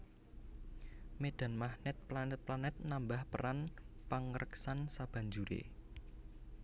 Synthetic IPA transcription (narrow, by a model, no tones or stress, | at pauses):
meɖ̪̥a̤nmahnɛt̪̚planɛt̪̚planɛt̪̚nambahpəɾanpaŋəɾəksansab̥a̤ɲd͡ʒuɾḛ